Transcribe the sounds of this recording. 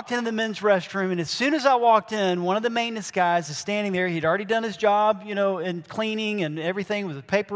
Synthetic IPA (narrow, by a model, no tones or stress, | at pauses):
k̚tɨ̃nðɨmɪ̃nzɹɛstɹ̥ʉ̃mɨ̃nɨz̥sʉ̃nɨzaɪwɔk̚tɪ̃nwʌ̃nʌvðɨmẽɪ̃nɨsɡ̥aɪzɨz̥stæ̃ndɪ̃ŋðə˞hiɨɾl̩ˠɹɛɾidʌ̃nɨzd͡ʒɑbjɨnoʊɨ̃nkʰl̥ĩnɪ̃ŋɨ̃nɛvɹiθɪ̃ŋwʌzɨpʰeɪpə